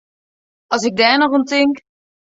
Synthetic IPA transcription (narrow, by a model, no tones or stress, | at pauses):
ɑs̬ɪɡ̚dɛːnɔχəntɪŋk